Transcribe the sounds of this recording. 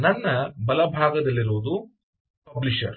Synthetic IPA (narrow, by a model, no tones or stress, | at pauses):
nɐnːɐbɐlɐbʱaːɡɐd̪ɐlːiɾoːd̪u | pɐbliʃɐ̰ɾ